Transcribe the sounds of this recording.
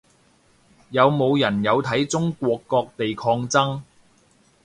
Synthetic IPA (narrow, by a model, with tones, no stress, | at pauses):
jɐ˨˧wmo˨˧wjɐ˨˩njɐ˨˧wt̪ʰɐ˨˥jt͡sʊ˥ŋkʷɔː˧kːɔː˧k̚t̪e˨jkʰɔː˧ŋt͡sɐ˥ŋ